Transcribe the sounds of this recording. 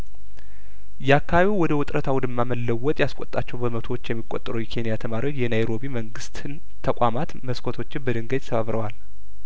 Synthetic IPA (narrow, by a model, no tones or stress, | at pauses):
jɛakʰːaβiwwɔd̪əwʊt̪ʼɾʔət̪ʰawʊd̪ɨmːaməlːəwːɔt̪ʼjaskʷʼot̪ʼːat͡ʃːɛwbəmət̪ʰoot͡ʃːjɛmːikʼot̪ʼːɾujɛkʰe̞nijat̪ʰəmaɾiwo̞t͡ʃːjɛnajɾo̞biməŋɡɨst̪n | t̪ʰəkʷʼamat̪məskʰot̪ʰo̞t͡ʃːɪnbəd̪ɨŋɡədʲt̪sʰəβaβɾəwal